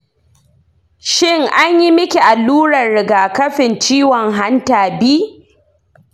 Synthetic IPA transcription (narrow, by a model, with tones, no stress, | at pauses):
ʃɪ˦˨ŋʔa˦ɲji˦mɪ˦kʲi˨ʔa˨lːuː˦ɽɐ˨nɽɪ˨ɡaː˨kɐ˦ɸɪ˨nt͡ʃiː˦wɔ˨ŋɦa˦ntaː˨biː˦